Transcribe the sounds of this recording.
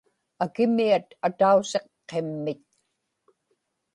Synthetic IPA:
akɪmiat̪at̪ause̞qːe̞mːɪt̪̚

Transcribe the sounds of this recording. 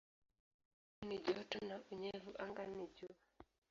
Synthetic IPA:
iniʄɔtɔnauɲɛvuʔaŋɡaniʄua

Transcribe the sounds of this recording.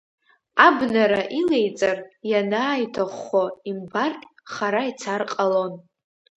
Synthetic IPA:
abnaɾaʔile̞jt͡sʼarjanaːjtʰaχoimbarkʲʼχaɾait͡sʰarqʼalon

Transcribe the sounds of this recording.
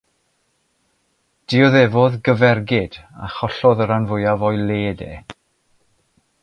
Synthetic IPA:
d̥ɪɔðɛvɔðɡəvɛrɡɪd̥a̰χɔɬɔðəɾanvʊjavɔjlˠeːdḛ

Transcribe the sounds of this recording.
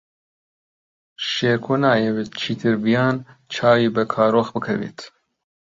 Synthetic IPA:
ʃeːɾkʰonaːjɛwet̪̚t͡ʃʰit̪ʰiɾbijaːnt͡ʃʰaːwibɛkʰaːɾoxbɨkʰɐ̰vḭt̪

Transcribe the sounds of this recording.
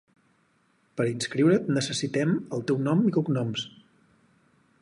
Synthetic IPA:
pəɾinskɾiwɾət̪nəsəsit̪ɛməlˠt̪ɛwnɔmikuknɔms

